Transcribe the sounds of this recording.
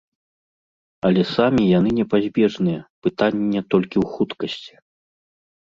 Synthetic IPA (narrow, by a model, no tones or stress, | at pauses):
ɐlʲɛsamʲijan̪ɨnʲɛpazʲbʲɛʐnɨjɐpɨt̪anʲːɛt̪ɔlʲkʲiwxut̪kɐsʲt͡sʲi̥